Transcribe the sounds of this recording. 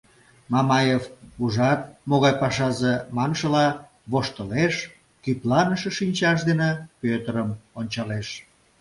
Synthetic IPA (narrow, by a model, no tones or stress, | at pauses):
mɑmɑjevuʒɑt̪̚moɣɑjpɑʃɑzemɑnʃəlɑ | βoʃt̪əleʃ | kyp̪lɑnəʃeʃinʲt͡ɕɑʃ̬d̪enepøt̪əɾəmonʲt͡ɕɑleʃ